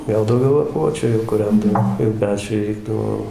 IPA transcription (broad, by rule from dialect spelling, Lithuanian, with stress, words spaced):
ˈɡɐlˠ dɐʊˈɡʲɛʊ lˠɐˈpuɔt͡ʃʲʊ jɛʊ kʊˈrʲɛndɐʋoː jɛʊ ˈpʲæːt͡ʃʲʊɪ ˈrʲɛɪɡdɐʋoː